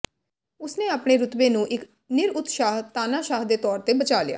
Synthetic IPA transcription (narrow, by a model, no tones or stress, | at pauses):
ʊsnẽːaːpɳeːɾʊt̪beːnũːʔɪk | nɪɾʊt̪ʃaːɦt̪aːnaːʃaːɦd̪eːt̪ɔːɾt̪eːbət͡ʃaːlɪja̰ː